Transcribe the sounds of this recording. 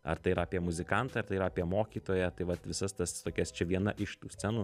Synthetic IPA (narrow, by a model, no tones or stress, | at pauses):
ɐ̰ɾt̪ɐɪiɾɐaːpʲiɛmʊzʲɪkɐnt̪ɑːɐɾt̪ɐɪiɾaːpʲiɛmoːkʲiːt̪oːjɛt̪ɐɪʋɐt̪ʋʲɪsɐst̪ɐst̪oːkʲɛst͡ʃʲɛʋʲiɛnɐʔɪʃt̪uːsʲt͡sʲɛnu